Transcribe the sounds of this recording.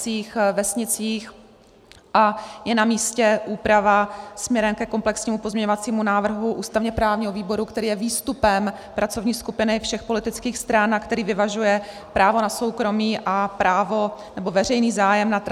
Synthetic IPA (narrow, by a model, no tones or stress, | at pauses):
t͡siːxvɛsɲɪt͡siːx | ʔajɛnamiːscɛʔuːpɾavasmɲɛɾɛmkɛko̞mplɛksɲiːmupozmɲɛɲovat͡siːmunaːvr̩ɦuʔuːst̪avɲɛpɾaːvɲiɦoviːbo̞ɾukt̪ɛɾiːjɛviːst̪upɛm | pɾʔat͡so̞vɲiːskupɪnɪfʃɛxpo̞lɪt̪ɪt͡skiːxst̪ɾanakt̪ɛɾiːvɪvaʒujɛ | pɾʔaːvo̞naso̞wkɾo̞miːʔapɾaːvo̞ | nɛbo̞vɛrɛjniːzaːjɛmnat̪